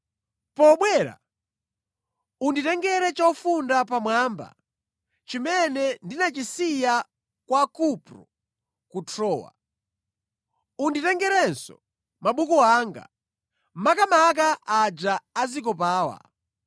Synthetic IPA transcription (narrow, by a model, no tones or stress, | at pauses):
pɔɓwɛːɾa̰ | unditɛŋɡɛɾɛt͡ʃaufundapamwamba̰ | t͡ʃimɛnɛndinat͡ʃisija | kwakupɾɔ | kutʰɾɔːwa̰ | unditɛŋɡɛɾɛnsɔ̰ | maɓukɔaŋɡa̰ | makamak̬aʔad͡ʒaazik̬ɔp̬aːwa̰